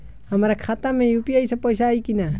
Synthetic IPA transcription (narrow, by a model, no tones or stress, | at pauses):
hamaɾakʰat̪amɪjʊpjajsapojsaːjkɪna